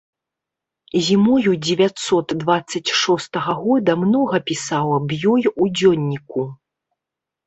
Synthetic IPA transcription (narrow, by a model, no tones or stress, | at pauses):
zʲimɔjud͡zʲɛvʲat̪sɔt̪d̪vat̪sːɐt͡sʲʂɔst̪ɐɣɐɣɔd̪ɐmnɔɣɐpʲisawɐbjɔjud͡zʲɔnʲːiku